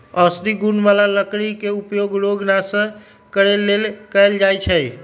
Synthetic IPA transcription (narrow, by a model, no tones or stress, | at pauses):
əsɾiɡunʋalaləkɽikeupjoɡɾoɡnasə̃ | kəɾelːelkəjld͡ʒajt͡ʃʰəj